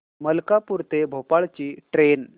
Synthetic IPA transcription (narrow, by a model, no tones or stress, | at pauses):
məlkapuɾt̪ebʱopaɭt͡ɕiːʈɾen